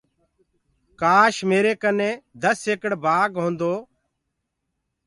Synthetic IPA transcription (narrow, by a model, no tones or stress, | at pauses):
kaːʃmeːɾeːkənẽːd̪əseːkəɽbʱaːɡɦõːnd̪oː